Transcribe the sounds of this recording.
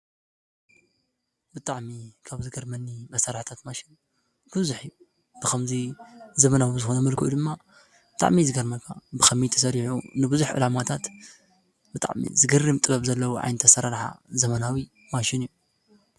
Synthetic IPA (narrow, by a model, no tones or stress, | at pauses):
bɨt̪ʼaʕmikʰaβzɨɡɐɾmɐnːimɐsɐɾħt̪ʰat̪maʃɪn | b̥ɨβzuħiju | b̥ɨkʰɐmzizɐmɐnawizɨxonɐmɐlkʰɨʔṵd̪ɨmːa | bɨt̪ʼa̰ʕmizɨɡɐɾmɐkʰabɨxʰɐmit̪ʰɐs̬ɐɾiħṵnɨbɨzuħʔɨ̰lamat̪ʰat̪ | bɨt̪ʼa̰ʕmḭzɨɡɐrːɨmt̪ʼɨβɐβzɐlːɐwuʕa̰jnt̪ʰɐsɐɾaɾħa̰zɐmɐnawi | maʃɪnijːu